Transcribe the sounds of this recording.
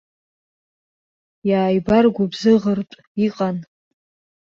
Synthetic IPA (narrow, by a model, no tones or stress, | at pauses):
jaːjbarɡʷabzɨʁərtʼ | iqʼan